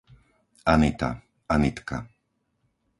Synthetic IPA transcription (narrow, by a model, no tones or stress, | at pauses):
anit̪a̰ | anit̪ka̰